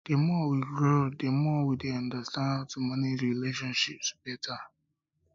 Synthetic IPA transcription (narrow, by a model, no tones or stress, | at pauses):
d̥emɔwiɡɾodemɔwideandastãnatʊmaniɾileʃɔ̃nʃip̚sbɛtʰa